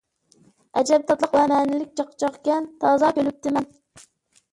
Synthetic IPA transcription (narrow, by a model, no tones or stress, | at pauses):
ɛd͡ʒɛb̚t̪ʰɑt̪lˠəqwɛmɛːnɪlɪk̚ʲt͡ʃʰɑqːt͡ʃʰɑqkʲɛnt̪ʰɑːzɑkʲʰølyp̚t̪ʰɪmɛn